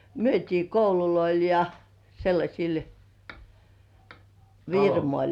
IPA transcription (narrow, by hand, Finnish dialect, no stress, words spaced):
myøtʲiː koululoil jɑ selːɑsʲil ʋirmolʲ